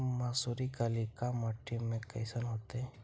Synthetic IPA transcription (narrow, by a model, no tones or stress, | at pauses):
maːsuɾikalikamaʈʰːimẽkəɪsənɦoːt̪e